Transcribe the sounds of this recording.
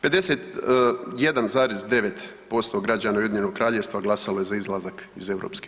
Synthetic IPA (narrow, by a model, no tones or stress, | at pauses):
pe̞d̪e̞set̪ | je̞d̪anzaːɾezd̪e̞ʋe̞t̪ | po̞st̪oɡɾad͡ʑaːnaujed̪ɲe̞noɡ̚kɾaːʎeʋst̪ʋaɡlˠasaloje̞zaizlˠazakize̞wɾo̰ːpske̥